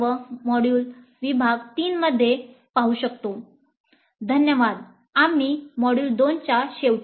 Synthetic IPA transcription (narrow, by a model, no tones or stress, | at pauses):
ʋəmɔɽjuːlʋibʱaɡt̪iːnməd̪ʱːje | paɦuɕəkt̪o | d̪ʱənjəʋad̪̚ | amimɔɽjuːld̪ont͡ɕjaɕeʋʈ